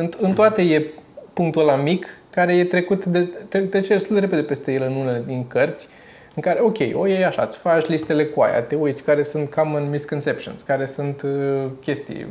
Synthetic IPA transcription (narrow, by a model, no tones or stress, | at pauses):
ɨnt̪ɨnt̪oat̪eje̞puŋkt̪ulamikː | aɾe̞je̞t̪ɾe̞kut̪d̪et̪et̪ːɾet͡ʃed̪est̪uld̪eeped̪e̞pe̞st̪e̞je̞lɨnuneled̪iŋkərt̪sʲ | ɨŋkaɾeo̞kʲe̞̰jʔo̰jejaʃa̰t̪sə̥fat͡ʃʲlist̪e̞le̞kua̰ja̰t̪eoit̪sʲkaɾe̞sunt̪kʰamɨnmiskonse̞pʃio̰nskaɾe̞sunt̪kʲe̞st̪ḭj